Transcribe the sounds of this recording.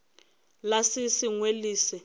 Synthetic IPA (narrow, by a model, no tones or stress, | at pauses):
lasisiŋweliːsɛ